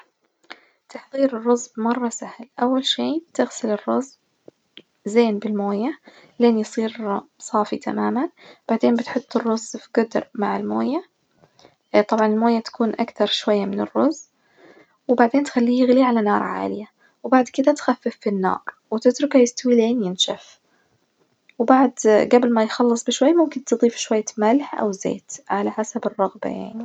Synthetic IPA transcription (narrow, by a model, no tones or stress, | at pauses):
t̪ɑħðˤiːɾɪrˤːʊzːbmɑrˤːɑsahlʔawːalʃiːbt̪ɪɣsɪlɪrːʊz | zeːnbɪlmoːja | leːnjsˤiːɾsˤɑːfit̪ʰa̰maːmanb̥aʕd̪eːnbɪt̪ħʊt̪ˤːɨrːʊzfiɡʊd̪ɾmaʕɪlmo̰ːja | t̪ˤɑbʕɑnɪlmoːjat̪ḁkuːnʔakt̪ɑɾˤʃwajːamɪnɪrːʊz | wbaʕd̪eːnt̪xalːiːjɪɣliʕalanɑːɾˤʕa̰ːlɪja | wbaʕd̪kɪd̪at̪xafːɪfːinːɑ̰ːɾˤwɪt̪ɪt̪ɾˤʊkajɪst̪awiːleːnjɪnʃaf | wbaʕd̪ɡablmajxɑlːɨsˤbɪʃwajːamʊmkɪnt̪ɨd̪ˤiːfʃwajːamalħʔa̰wzḛːt̪ʕalaħasabɪrˤːɑɣba̰ja̰ʕni